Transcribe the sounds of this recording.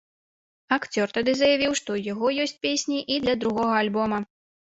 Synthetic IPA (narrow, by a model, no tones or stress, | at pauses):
akt͡sʲɔrt̪ad̪ɨzɐjavʲiwʂt̪ɔjaɣɔjɔsʲt͡sʲpʲesʲnʲiʔid̪lʲɐd̪ɾuɣɔɣɐalʲbɔmɐ